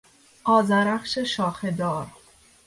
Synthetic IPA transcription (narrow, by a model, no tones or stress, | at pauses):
ʔɒːzæɾæxʃeʃɒːxed̪ɒːɾ